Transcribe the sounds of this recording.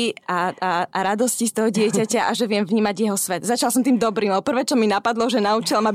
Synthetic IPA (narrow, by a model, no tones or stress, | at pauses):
aaaɾad̪ɔscist̪ɔɦɔɟɪɛcacaʔaʒɛʋɪɛmvɲiːmaɟjɛɦɔsʋɛd̪zat͡ʃalsɔmt̪iːmd̪ɔbɾiːmɔpr̩ʋɛːt͡ʃɔminapad̪lɔʒɛnaut͡ʃilamab